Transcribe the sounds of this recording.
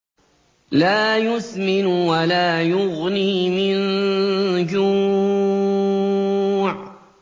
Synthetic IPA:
laːjʊsmɪnwalaːjʊɣniːmɪn | d͡ʒuː | ʕ

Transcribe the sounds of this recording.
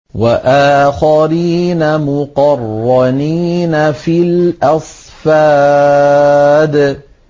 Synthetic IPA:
waʔaːxaɾiːnamʊqɑrˤːɑniːnafilʔɑsˤ | faː | d̪

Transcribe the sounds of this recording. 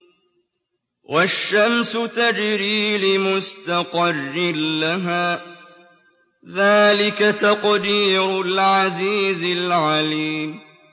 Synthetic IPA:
wʔaʃːamsʊt̪ad͡ʒɾiːlɪmʊst̪ɑqɑrˤːɪlːaɦaː | ðaːlɪkat̪ɑqd̪iːɾʊlʕaziːzɪlʕaliːm

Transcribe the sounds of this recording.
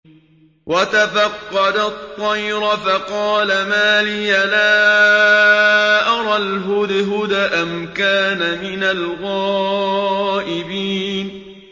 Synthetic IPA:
wat̪afɑqːɑd̪at̪ˤːɑjɾfɑqɑːlamaːliːalaː | ʔɑɾˤɑlɦʊd̪ɦʊd̪aʔamkaːnamɪnalɣɑː | ʔɪbiːn

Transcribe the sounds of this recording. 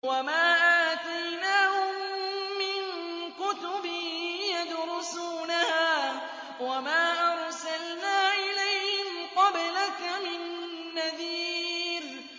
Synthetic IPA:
wamaːʔaːt̪ajnaːhʊmːɪn | kʊt̪ʊbɪjad̪ɾʊsuːnahaː | wamaːʔɑɾˤsalnaːʔɪlajhɪmqɑblakamɪnː | aðiːɾ

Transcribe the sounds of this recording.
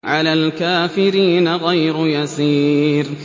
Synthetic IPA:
ʕalaːlkaːfɪɾiːnaɣajɾʊjasiːɾ

